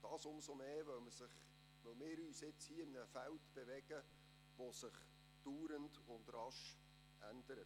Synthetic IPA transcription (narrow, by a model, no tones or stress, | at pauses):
d̥ɑːsʊmsomeːvœwməsɪχ | ʋœlmɪːɾyːsɪt͡shiːɪnəfæltb̥evɛɡ̥ə | ʋosɪχ | d̥uːɾəndʊndrɑʃ | ʔænd̥əɾət